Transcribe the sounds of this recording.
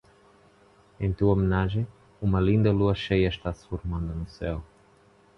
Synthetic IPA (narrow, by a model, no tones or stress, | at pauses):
ẽj̃t̪uomenaʒẽ | umɐlĩnd̪ɐluɐʃejɐʃt̪asfoɾmãnd̪ɐnʊsɛw